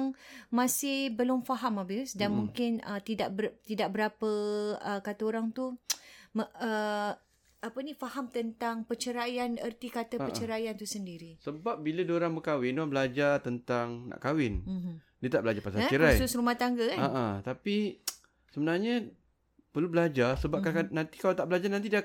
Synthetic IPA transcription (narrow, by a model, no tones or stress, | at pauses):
ŋmãsɪhbəlʊmfaɦamabɪsdanmuŋkɪnə̰t̪idaʔbət̪idaʔ̚bəɾapəəkat̪əoɾaŋt̪uməə | apənifahamt̪ənt̪aŋpət͡ʃəɾajanə̰rt̪ikat̪əpət͡ʃəɾajant̪usəndiɾisəbap̚bilədoɾaŋbəkawɪndoabəlad͡ʒat̪ənt̪aŋna̰ʔkawɪn | diət̪aʔbəlad͡ʒapasat͡ʃəɾasʊsɾumaht̪aŋɡəaaʔat̪api | səbənarɲa | pərlubəlad͡ʒasəbapkakanant̪i̥kalat̪aʔbəlad͡ʒananidia